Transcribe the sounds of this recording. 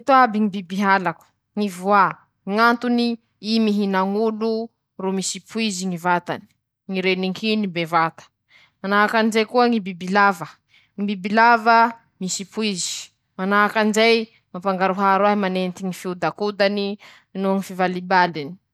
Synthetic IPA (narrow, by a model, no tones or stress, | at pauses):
t̪oabiŋibibiɦalaku̥ | ŋivua | ŋant̪uni | imiɦinaŋulu | rumisipʰuiziŋivat̪a̰ni̥ | ŋiɾeniŋkʰinibevat̪ə̥ | manaɦakanzejkuəŋibibilavə | ŋibibilavə | misipuizi̥ | manaɦakanzaj | mapaŋɡaɾuɦaɾwaɦimanent̪iŋifiud̪akud̪ani | nuŋifivalibalini̥